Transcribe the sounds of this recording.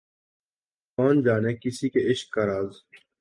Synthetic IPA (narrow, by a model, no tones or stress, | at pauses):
koːnd͡ʒaːneːkɪsiːkeɪʃkːaɾaːz